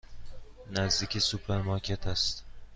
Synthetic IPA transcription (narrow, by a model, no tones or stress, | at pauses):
næzd̪iːcʰesupɾeɾmɑɾcʲʰet̪ʰæst̪